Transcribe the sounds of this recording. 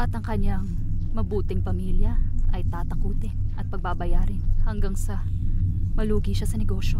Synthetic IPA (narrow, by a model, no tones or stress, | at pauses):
ʔɐt̪ɐŋkɐɲːaŋ | mɐbuːt̪ɪŋpɐmiːljɐʔɐjt̪aːt̪ɐkuːt̪ɪnʔɐt̪̚pɐɡ̚babɐjaːɾɪnhɐŋɡaŋsɐ | mɐluːɡiʃasɐnɛɡo̞ʃo